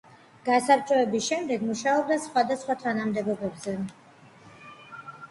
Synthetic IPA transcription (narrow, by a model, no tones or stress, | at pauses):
ɡ̥asapt͡ʃʼɔɛbisʃɛmd̪ɛɡmuʃaɔb̚d̪asχwad̪asχwat̪ʰanamd̪ɛɡɔbɛbzɛ